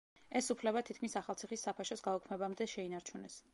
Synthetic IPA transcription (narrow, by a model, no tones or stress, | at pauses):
ɛsupʰlɛbat̪ʰit̪̚kʰmisaχalˠt̪sʰiχisːapʰaʃɔsɡaukʰmɛbamd̪ɛʃɛinaɾt͡ʃʰunɛs